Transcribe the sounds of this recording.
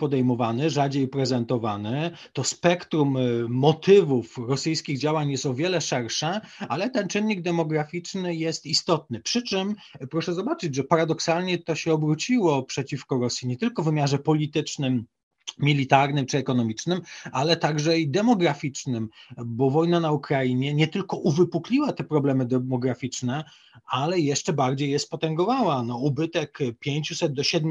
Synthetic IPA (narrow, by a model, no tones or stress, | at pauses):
pɔd̪ɛjmɔvanɘʐad͡ʑejpɾɛzɛnt̪ɔvanɘt̪ɔspɛkt̪ɾumːɔt̪ɘvufɾɔsɘjskʲiɣd͡ʑawaɲjɛst̪ɔvʲjɛlɛʂɛɾʂɛalɛt̪ɛnt͡ʂɘnʲːiɡ̚d̪ɛmɔɡɾafʲit͡ʂnɘjɛst̪ist̪ɔt̪̚nɘpʂɘt͡ʂɘm | pɾɔʂɛzɔbat͡ʂɘd͡ʑʐɛpaɾad̪ɔksalɲɛt̪ɔɕɛɔbɾut͡ɕiwɔpʂɛt͡ɕifkɔɾɔsʲjiɲɛt̪ɘlkɔvɘmʲjaʐɛpɔlʲit̪ɘt͡ʂnɘmːʲ | ilʲit̪aɾnɘmt͡ʂɘɛkɔnɔmʲit͡ʂnɘmalɛt̪aɡʐɛid̪ɛmɔɡɾafʲit͡ʂnɘmbɔvɔjnanaukɾaiɲɛɲɛt̪ɘlkɔʔuvɘpuklʲiwat̪ɛpɾɔblɛmɘd̪ɛmɔɡɾafʲit͡ʂnɛ | alɛjɛʂt͡ʂɛbaɾd͡ʑejːɛspɔt̪ɛŋɡɔvawanɔubɘt̪ɛkpʲjeɲt͡ɕusɛd̪̚d̪ɔɕɛd̪̚mʲ